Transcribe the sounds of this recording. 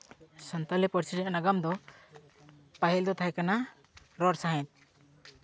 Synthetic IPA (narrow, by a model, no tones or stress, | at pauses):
sɔnt̪ɔlɛpɔɾsʰiɾɛanaɡamd̪ɔ | paɦild̪ɔt̪ʰajkana | ɾɔɾsaɦɛ̃t̪̚